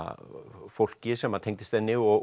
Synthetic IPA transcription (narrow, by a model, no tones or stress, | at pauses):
fowl̥cɪsɛmːat̪ʰejŋkt̪ɪst̪ɛnːɪɣɔɣ